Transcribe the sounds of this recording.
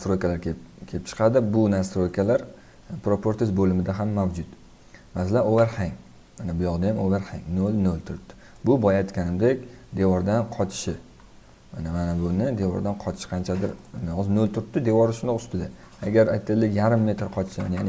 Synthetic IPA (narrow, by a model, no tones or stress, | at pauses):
nast̪ɾojkʰʲalaɾkʲkʲʰelɪp̚t͡ʃʰɨ̥qʰɑd̪ɪbʊnast̪ɾojkʰʲalaɾ | pɾopʰoɾt̪ʰɪzbolɪmɪd̪aɦamːawd͡ʒʊt̪ | masalanovaɾhaŋ | manabʊjɒqd̪ajamolaɾha̰ŋnolnolˠt̪ʰʊɾɪp̚t̪ʰːɪ̥ | bʊbɒjajt̪kʲʰanɪmd̪ekʲd̪e̞vɒɾd̪anqʰɒt͡ʃ̪ʰɪ̥ʃɪ | anamanabʊnɪd̪e̞vɒ̰ɾd̪anqʰɒt̪ʰɪʃɪ̥qʰɑnt͡ʃʰad̪ɪɾnɒznolˠt̪ʰʊɾɪp̚t̪ɪd̪e̞vɒɾɪʃʊnd̪ɒqʊst̪ɪd̪a | aɡʲaɾajt̪ʰːad̪ɪlːɪkʲjaɾɪmːe̞t̪ɾqʰɒt͡ʃ̪ʰɪ̥ʃma̰njanɪ